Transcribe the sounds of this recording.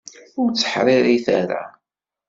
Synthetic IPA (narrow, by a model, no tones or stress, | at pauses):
ʊɾt͡sːə̥ħɾɪɾiθa̰ɾa̰